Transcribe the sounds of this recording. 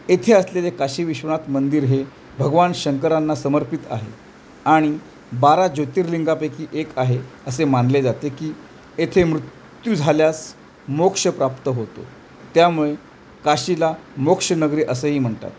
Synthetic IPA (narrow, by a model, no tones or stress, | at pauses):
et̪ʰeəslelekaɕiːʋiɕʋəɳ̃at̪mənd̪iːɾɦe | bʱəɡʋanɕəŋkəɾanːasəməɾpit̪a̰ɦḛ | aɽ̃i | baɾad͡ʑot̪iːɾliŋɡapekiːʔekaɦeəsemanled͡zat̪ekiː | et̪ʰemɾut̪ | jud͡zʱaljas | mokʂəpɾapt̪əɦot̪o̰ | t̪jamuɭe | kaɕilamokʂənəɡɾiːʔəsəɦiːm̤əɳt̪a̰t̪